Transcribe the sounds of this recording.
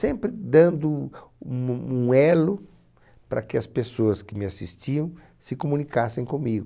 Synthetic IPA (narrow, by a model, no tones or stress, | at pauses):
sẽmpɾɪd̪ɐ̃nd̪ʊumɐũɛlʊ | pɾɐ̰kɪɐspesoɐskɪmɪasist͡ʃiɐ̃w̃ | sɪkomũnikasẽj̃kõmiɡʊ